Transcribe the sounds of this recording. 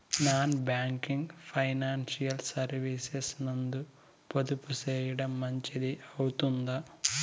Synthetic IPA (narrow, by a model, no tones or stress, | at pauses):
naːnbaːŋkiŋɡpʰɐjnaːnsijɐlsɐɾʋisesnɐnd̪u | pod̪uput͡ʃɛːjiɽɐmːɐɲt͡ʃid̪iɐwut̪und̪aː